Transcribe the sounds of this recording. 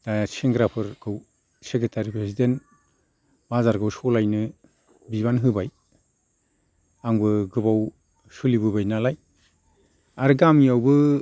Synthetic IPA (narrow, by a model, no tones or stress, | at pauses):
d̥aseŋɡɾapʰɯɾɡ̥ɯw | seketʰaɾipɾesiden | bazaɾɡɯwsɔlajnɯ | biβanɦɯbaj | aŋbɯɡɯbaw | sulibɯbajnalaj | aɾɡamijawbɯ